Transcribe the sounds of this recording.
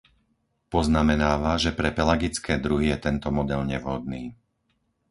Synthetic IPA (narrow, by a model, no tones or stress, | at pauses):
pɔznamɛnaːʋaʒɛpɾɛpɛlaɡit͡skɛːd̪ɾuɦijɛt̪ɛnt̪ɔmɔd̪ɛlɲɛvɦɔd̪̚niː